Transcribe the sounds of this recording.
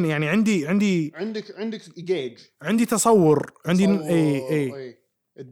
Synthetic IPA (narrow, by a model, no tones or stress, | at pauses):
njaʕniʕɪnd̪iʕɪnd̪iʕɪnd̪ɪkʕɪnd̪ɪkɡeːd͡ʒʕɪnd̪it̪ɑsˤɑwːʊɾʕɪnd̪iʔeːʔeː